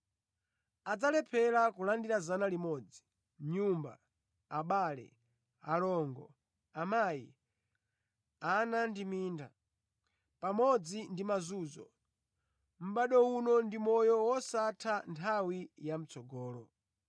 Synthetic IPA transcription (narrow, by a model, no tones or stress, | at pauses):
ad͡zalɛpʰɛɾakulandiɾazanalimɔd͡zi | ɲumba̰ | aɓaːlɛ̰ | alɔŋɡɔ̰ | amaːjḭ | anandimiːnda̰ | pamɔd͡zindimazuːzɔ̰ | m̩ɓaɗɔunɔndimɔjɔwɔsatʰantʰawijam̩t͡sɔɡɔːlɔ